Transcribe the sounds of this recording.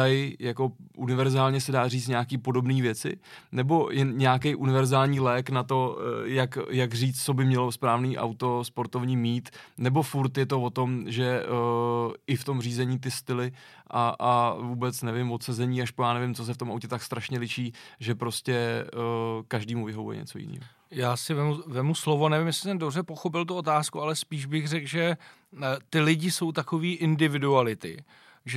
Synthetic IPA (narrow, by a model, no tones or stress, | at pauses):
ajjako̞ʔunɪvɛɾzaːlɲɛsɛdaːriːt͡st̪ɲɛakiːpo̞do̞bniːvjɛt͡sɪ̰nɛbo̞jɛnɲɛakɛjʔunɪvɛɾzaːlɲiːlɛːknat̪o̞jakjaɡr̝iːt͡s̪t͡so̞bɪmɲɛlo̞spɾaːvniːʔa̰wt̪o̞spo̞ɾt̪o̞vɲiːmiːt̪nɛbo̞fuɾt̪jɛt̪o̞vo̞t̪o̞mʒɛ | ɪft̪o̞mriːzɛɲiːt̪ɪst̪ɪlɪʔaavuːbɛt͡snɛvɪmvo̞t̪sɛzɛɲiːaʃpojaːnɛvɪmt͡so̞s̬ɛft̪omawcɛt̪akst̪ɾaʃɲɛlɪʃiːʒɛpɾo̞scɛ | kaʒdiːmuvɪɦovujɛ̰ɲɛ̰t͡so̞jɪ̰nḭːɦo | jaːsɪvɛmuvɛmuslovonɛvɪmjɛslɪ̥t̪ɛndobrɛpo̞xop̬ɪlt̪uot̪aːskualɛspiːʒbɪxrɛkʒɛ | t̪ɪlɪɟɪso̞wt̪ako̞viːʔɪndɪvɪdualɪt̪ɪ̰ | ʒɛ